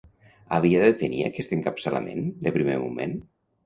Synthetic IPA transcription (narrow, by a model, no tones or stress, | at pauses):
aβ̞iaðet̪enia̰kɛst̪eŋkapsəla̰mḛnd̪əpɾimemumen